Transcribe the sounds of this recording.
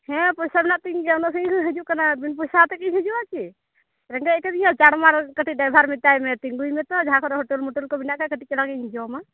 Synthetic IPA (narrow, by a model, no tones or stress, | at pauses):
hɛ̃pɔsabinaʔt̪iŋɡɛɔnɔsəlɦəd͡ʒuʔkanabinpɔjsat̪ɛkiɦəd͡ʒuat͡ʃʰi | ɾɛŋɡɛɛkɛd̪ijat͡ʃaɽmaɾkəʈiɖajbʱaɾmit̪ajmɛt̪iŋɡujmɛt̪ɔd͡ʒaãkʰɔɾɔɦɔʈɛlmɔʈəlkɔbinaʔkakəʈikɛlaɡɛĩd͡ʒɔma